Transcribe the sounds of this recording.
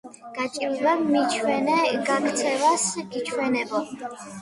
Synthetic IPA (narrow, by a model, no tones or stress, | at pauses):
ɡ̥at͡ʃʼivɛbmit͡ʃʰwɛnɛɡakt̪sʰɛvasɡit͡ʃʰwɛnɛbɔ